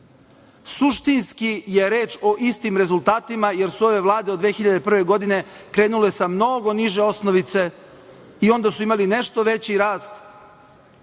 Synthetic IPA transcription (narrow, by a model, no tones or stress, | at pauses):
suʃt̪inskijeɾe̞ːt͡ʃo̞ʔist̪imɾe̞zulˠt̪aːt̪imaje̞ɾsuo̞ʋe̞ʋlˠaːd̪ed̪ʋeːxiʎad̪epr̩ʋeɡo̞d̪ine̞ | kɾe̞ːnule̞samno̞ɡo̞niʒe̞o̞snoʋit̪se̞ | io̞nd̪asuimaline̞ʃt̪o̞ʋe̞t͡ɕiɾaːst̪